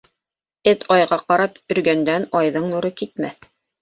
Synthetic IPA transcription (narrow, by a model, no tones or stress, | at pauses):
ɘt̪ʰɑjʁɑqɑɾɑpɵ̆ɾɡænd̪ænɑjðɤɴnuɾɤkit̪mæθ